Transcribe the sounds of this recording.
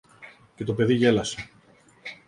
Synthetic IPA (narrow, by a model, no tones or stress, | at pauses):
ce̞t̪o̞pe̞ðiʝe̞lɐse̞